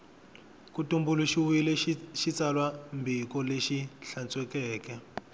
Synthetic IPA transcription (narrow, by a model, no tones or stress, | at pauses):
kutumbuluʃiwuilɛʃit͡salwambʱikɔleʃiɬant͡sʼwɛkɛːkɛ